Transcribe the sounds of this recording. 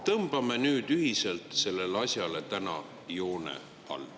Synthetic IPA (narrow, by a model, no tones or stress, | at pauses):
t̪ɤmb̥ɑme̞nyːd̪̥yɦise̞lt̪se̞lːe̞leɑsʲjɑle̞t̪ænɑ̰ | jo̞ːnḛ | ɑ̰lː